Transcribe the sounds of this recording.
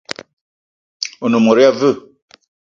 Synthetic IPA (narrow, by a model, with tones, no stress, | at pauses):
o˨no˨mɔ˨ɾi˦a˦və˦˨